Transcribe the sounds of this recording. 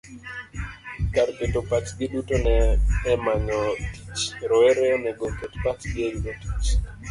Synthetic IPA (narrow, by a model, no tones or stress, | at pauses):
kaɾpetopat͡ʃɡɪɗutonɛːmaɲɔti̥t͡ʃɾɔeɾeonɛɡopetpat͡ʃɡɪeɡoti̥t͡ʃ